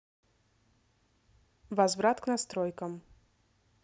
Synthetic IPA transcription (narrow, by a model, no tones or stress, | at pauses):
vɐzvɾat̪knɐst̪ɾojkəm